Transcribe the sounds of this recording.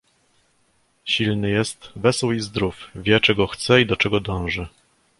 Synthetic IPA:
ɕilnɘjɛst̪vɛswizd̪ɾufvʲjɛt͡ʂɛɡɔxt̪sɛid̪ɔt͡ʂɛɡɔd̪ɔ̃w̃ʐɘ

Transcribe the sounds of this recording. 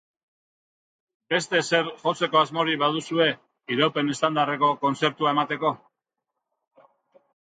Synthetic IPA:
be̞st̪e̞se̞ɾʝo̞t͡se̞ko̞azmo̞ɾiβað̞usue̞ | iɾawpe̞ne̞st̪and̪are̞ko̞ko̞nt͡se̞ɾt̪uae̞mat̪e̞ko̞

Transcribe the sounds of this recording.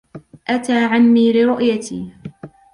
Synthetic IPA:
ʔat̪aːʕanːiːlɪɾʊʔjat̪ʰḭː

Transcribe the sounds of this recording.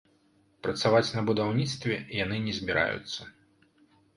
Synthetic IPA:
pɾɐt̪savat͡sʲnɐbud̪awnʲit̪st̪vʲɛ̰janɨnʲɛzʲbʲiɾʔa̰jṵt̪sːɐ

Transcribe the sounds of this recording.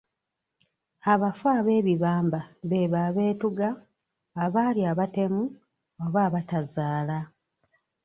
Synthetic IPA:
aβafaːβe̞ːβiβaːmbaβe̞βaːβe̞ːtuɡaː | βaːliaβate̞mu | oβaːβatazaːla

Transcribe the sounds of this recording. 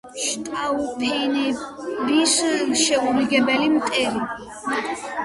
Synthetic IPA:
ʃt̪ʼaupʰɛnɛbisʃɛuɾiɡɛbɛlimqʼɛɾi

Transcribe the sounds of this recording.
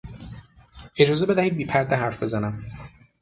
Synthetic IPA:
ʔe̞d͡ʒɒːzebe̞d̪æhiːd̪̚biːpʰæɾd̪eɦæɾfbe̞zænæm

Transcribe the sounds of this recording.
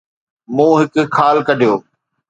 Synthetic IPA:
mũːɦɪkkʰːaːlkɐɖʱijoː

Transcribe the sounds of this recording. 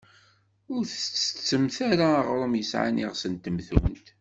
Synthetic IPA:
ʊɾθət͡sːə̥t͡sːəmθaɾaːʁɾˤəmjəsʕa̰niʁsənt̪əmθṵnt̪

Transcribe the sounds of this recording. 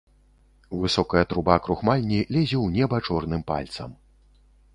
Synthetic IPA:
vɨsɔkɐjɐt̪ɾubakɾuxmalʲnʲilʲɛzʲɛwnʲɛbɐt͡ʂɔrnɨmpa̰lʲt̪sɐ̰m

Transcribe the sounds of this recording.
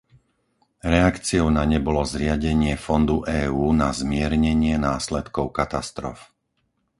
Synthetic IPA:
ɾɛakt͡siɔʊnaɲɛbɔlɔzɾɪaɟɛɲɪɛfɔnd̪uʔɛːuːnazmɪɛɾɲɛɲɪɛnaːslɛt̪kɔʊkat̪ast̪ɾɔ̰f

